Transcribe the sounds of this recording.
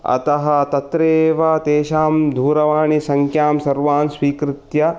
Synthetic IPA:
ɐ̰t̪ɐɦɐ̆t̪ɐt̪ɾeːʋɐt̪eːʃaːmd̪ʱuːɾɐʋaːɳisɐŋkʰjaːmsɐɾʋaːnsʋiːkɾɪt̪jɐ

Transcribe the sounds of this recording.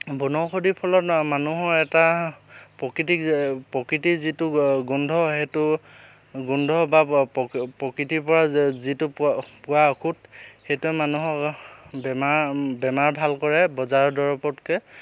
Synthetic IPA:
bunɔxodipʰɔlɔtmanuɦɔɹɛtapɹɔkɹitipɔkɹitizitʊɡɔndʱɔhetʊ | ɡundʱɔba | pɹɔkitipɔɹazitʊppʊwaokʰutxejtuɛmanuɦɔkbɛmaɹbɛmaɹbʱalkɔɹɛbɔzaɹɔdɔɹɔpɔtkɛ

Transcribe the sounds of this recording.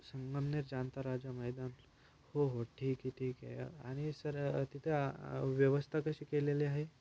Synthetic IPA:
səŋɡəmneɾd͡ʑant̪aɾad͡ʑaməjd̪an | hoɦoʈʰiːkɦiʈʰiːkḛa̰ɽ̃isəɾt̪it̪ʰeʋjəʋəst̪ʰakəɕiːkeleliaɦe

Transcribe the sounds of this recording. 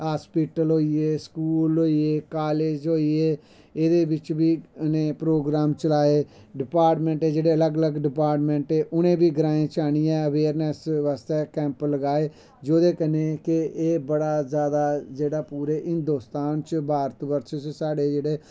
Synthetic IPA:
ɦaːspiːʈəlɦoːieːskuːlɦoːieːkaːleːd͡ʒɦoːieː | eːd̪eːʋɪt͡ʃʋiːʊnẽːpɾoːɡɾaːmt͡ʃəlaːeː | ɖɪpaːɾʈmɛ̃ɳʈeːd͡ʒeːɽeːələɡələɡɖɪpaːɾʈmɛ̃ɳʈeːʔʊnẽːbiːɡəɾaːẽːt͡ʃaːɽ̃iːɛ̃ːəʋeːɾnɛsʋaːst̪eːkɛ̃ːmpləɡaːeː | d͡ʒoːd̪eːkəneːkɪeːbəɽaːzjaːd̪aːd͡ʒeːɽaːpuːɾeːɦɪnd̪oːst̪aːnt͡ʃbʱaːɾət̪ʋəɾʃt͡ʃsaːɽeːd͡ʒeːɽeː

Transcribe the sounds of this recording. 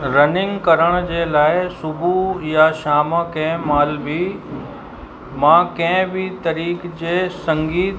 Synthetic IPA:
ɾɐnɪ̃ŋɡkɐɾəɽ̃ʊd͡ʑeːlaːɪsʊbʱujaʃaːməkɐ̃ɦɪ̃maːlbi | mãːkɐ̃ɦɪ̃bɪt̪ɐɾiːkd͡ʑeːsɐ̃ŋɡiːt̪

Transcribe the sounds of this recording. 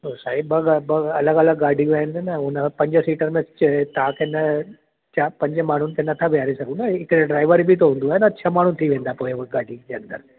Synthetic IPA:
osaːɦibɐɡbɐɐləɡɐləɡɡaːɖʱiaːɦɪ̃nd̪enɐʊnəpɐ̃ɲd͡ʑəsiːʈəɾmẽt͡ɕt̪ɐɦãkʰeːnɐ | t͡ɕapɐ̃ɲd͡ʑəmaːɳ̤ʊnɪ̆kʰeːnɐt̪ʰabʱijaːɾisɐɡũnd̪aɪkɾeɖɾaːɪʋəɾibʱit̪oɦũːn̆d̪uaːɦenɐʃʰamaːɳ̤ũɪt̪ʰiʋẽːnd̪apoːɪɡaːɖʱid͡ʑeɐ̃nd̪ə̰ɾ

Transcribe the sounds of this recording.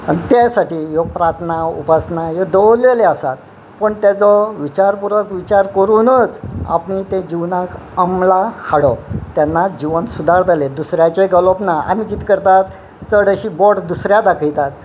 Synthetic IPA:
ənt̪jasaʈiːjɔpɾat̪ʰnaṵpasnajed̪əleleasat̪̚ | pəɳt̪jat͡sɔʋit͡ɕaɾpuɾəkʋit͡ɕaɾkəɾunət͡sa̰pɳit̪ẽd͡ʑiʋnak | əmlahaɽɔpt̪janːad͡ʑiʋənsud̪ʱaɾd̪aled̪usɾjat͡ɕeɡələpnaa̰m̤ikiːt̪kəɾt̪at̪̚ | t͡səɽəɕiːbɔʈd̪usɾjad̪akʰəjt̪at̪̚

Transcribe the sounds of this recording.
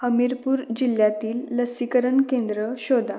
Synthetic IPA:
həmiɾpuːɾd͡ʑiljat̪iːlːəsikəɾənkẽnd̪ɾəɕod̪ʱa

